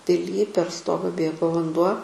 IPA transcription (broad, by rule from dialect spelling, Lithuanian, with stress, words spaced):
pʲɪˈlʲiː pʲɛr ˈstoːɡɐ ˈbʲeːɡoː ʋɐnˈduɔ